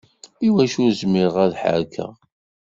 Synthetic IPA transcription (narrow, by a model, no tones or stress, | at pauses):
iwæʃʊɾzmɪɾəʁæðħə̰ɾkʰæ̰